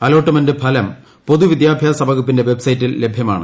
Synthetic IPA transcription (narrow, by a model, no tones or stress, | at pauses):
ɐlo̞ːʈːɐmɐndɨpʰɐlɐm | po̞ðuʋid̪jaːbʱjaːsɐbɐɣupːinde̞ʋe̞bsɐjitːilːe̞bʱjɐma̰ːɳɨ̰